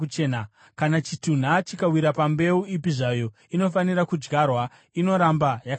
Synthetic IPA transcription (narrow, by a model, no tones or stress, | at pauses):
ut͡ʃeːna | kanat͡ʃitun̤at͡ʃikawiɾapambe̞uipiʐajo̞ | ino̞faniɾakud͡ʒɡarwa | ino̞ɾambajak